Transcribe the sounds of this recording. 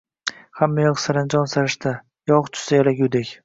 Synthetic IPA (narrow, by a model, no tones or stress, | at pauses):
hamːajɒqsaɾand͡ʒɒnsaɾɪʃt̪a | jɒʁt͡ʃʰʊ̥sajalaɡʲud̪ekʲ